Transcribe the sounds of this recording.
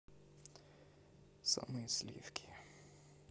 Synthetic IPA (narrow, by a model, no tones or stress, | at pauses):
sa̰mɨjslʲḭfkʲʰi̥